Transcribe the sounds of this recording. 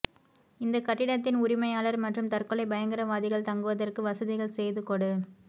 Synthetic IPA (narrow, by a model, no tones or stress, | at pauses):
ɪnd̪ɐkɐʈːɪɽɐt̪ːɪnʊɾɪmɐjaːlɐɾmɐʈrɯmt̪ɐrkɯɭɐɪbɐjɐŋɡɪɾɐʋaːðɪɣɐɭt̪ɐŋɡɯʋɐðɐrkɯʋɐsɐðɪɣɐɭsɛjðɯkɔɽɯ